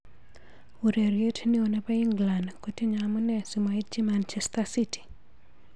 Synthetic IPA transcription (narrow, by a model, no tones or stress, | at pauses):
uɾeɾjetnɪonapaiŋɡlandkotiɲamunɛsumait̚d͡ʒimant͡ʃɛstasiti̥